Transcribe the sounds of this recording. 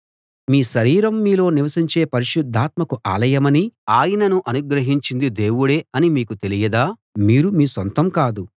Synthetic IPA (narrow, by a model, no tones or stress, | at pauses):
miːʃɐɾiːɾɐmːiːlo̞ːniʋɐsiɲt͡ʃe̞ːpɐɾiʃud̪ʱːaːt̪̚mɐkuʔa̰ːlɐjɐmɐniaːjɐnɐnuʔɐnuɡɾɐɦiɲt͡ʃind̪id̪e̞ːwuɽeːɐnimiːkut̪e̞lijɐd̪aː | miːɾumiːsont̪ɐmkaːd̪u